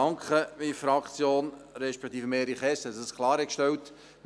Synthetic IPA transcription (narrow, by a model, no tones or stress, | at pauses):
ɑŋkχəmifɾɑkt͡sjoːnɾɛʃpɛk̚t̪iːfəmeːɾiχɛsɛsəskʰlɑːɾɛkʃtɛwt̪ | m